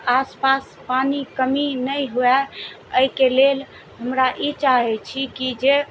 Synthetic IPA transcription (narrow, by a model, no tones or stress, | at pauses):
aspas | panikəminəjɦoɛ | əikelel | ɦəmɾaʔit͡ʃaɦɛt͡ʃʰikid͡ʒe